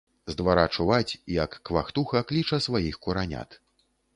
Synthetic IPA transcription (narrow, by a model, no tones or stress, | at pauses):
zd̪vaɾat͡ʂuvat͡sʲjɐkːva̰xt̪uxɐklʲit͡ʂɐsvajixkuɾanʲa̰t̪